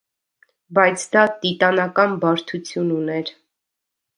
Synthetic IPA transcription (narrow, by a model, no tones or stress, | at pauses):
bɑjt͡sʰd̪ɑt̪it̪ɑnɑkɑnbɑɾt̪ʰut͡sʰjununɛɾ